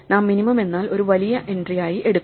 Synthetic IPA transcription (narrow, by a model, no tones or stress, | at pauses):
naːmːinimɐme̞nːaːlo̞ɾuʋɐlijɐʔe̞ndrijaːjiʔe̞ɽukː